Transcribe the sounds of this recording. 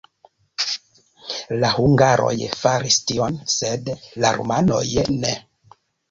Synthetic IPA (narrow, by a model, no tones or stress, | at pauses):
lahuŋɡaɾo̞̰jfaɾistio̞nsedlaɾṵmano̞̰jne